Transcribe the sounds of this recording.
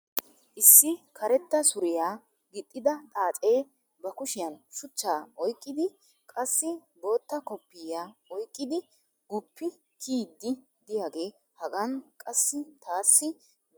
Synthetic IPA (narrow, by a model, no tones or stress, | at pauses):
ʔɪsːɪkʰɐɾɛt̪ːɐsʊɾɪjaː | ɡɪt̪ʼːɪd̪ɐt̪ʼaːt͡sʼe̞ː | bɐkʊʃɪjɐnʃʊt͡ʃːaːʔɔjkʼːɪd̪ɪ | kʼɐsːɪ | bo̞ːt̪ːɐkɔpːɪːjaːɔjkʼːɪd̪ɪ | ɡʊpːɪ | kʰiːd̪ːɪ | d̪ɪjaːɡe̞ː | hɐɡɐnkʼɐsːɪt̪aːsːɪ